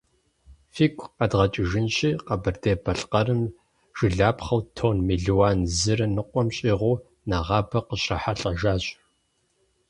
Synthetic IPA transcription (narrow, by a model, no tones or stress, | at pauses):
fiːkʷʰʼɐdʁɐt͡ʃʼɪʒɪnɕʼiːqɐbɨrdeːbʰɐɬqɐɾɨm | ʒ̥ɨɮaːpχɐwtʰoːnmiɮiwaːnzɨɾɐnɨqʷʼɔmɕʼiːʁʷuː | naʁɑːbʰɐqəɕrɐħaɬʼɐʒaːɕʼ